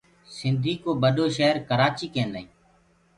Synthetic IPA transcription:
sɪnd̪iːkoːɓəɗoːʃəɦəɾkəɾaːt͡ʃiːkẽːnd̪aĩː

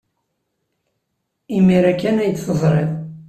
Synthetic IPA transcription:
imiɾækːænæjət͡s̪ːθəzˤɾˤḛðˤ

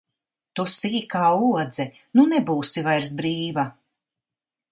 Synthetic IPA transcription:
t̪usiːkaːuɔd̪zɛ | nunɛbuːsivajɾs̬bɾiːva

